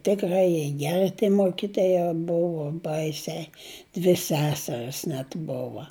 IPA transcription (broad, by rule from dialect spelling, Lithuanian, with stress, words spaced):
tʲɪkˈrɐɪ jiɛ ˈɡʲæːrʲɪ tʲiɛ ˈmoːkʲɪtoːjɛ ˈbʊʋʊ ˈbɐɪsʲɛɪ dʲʋʲɪ ˈsʲæːsʲɛrʲɪs nʲɛt ˈboːʋɐ